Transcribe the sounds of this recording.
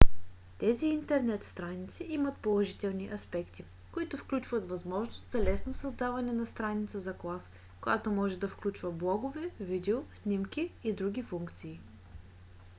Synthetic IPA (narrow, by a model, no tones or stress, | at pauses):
t̪ɛziːnt̪ɛɾnɛt̪st̪ɾanit̪siimɐt̪polˠɐʒit̪ɛlˠniʔɐspɛkt̪i | koit̪ʊfklʲut͡ʃvət̪vɐzmɔʒnost̪z̥ɐlɛsnosɐzd̪avɐnɛnɐst̪ɾanit̪səzɐklˠas | kojat̪omɔʒɛd̪ɐfklʲut͡ʃvəblˠɔɡovɛvid̪ɛosnʲimkiːd̪ɾuɡ̟ʲifuŋkt̪siː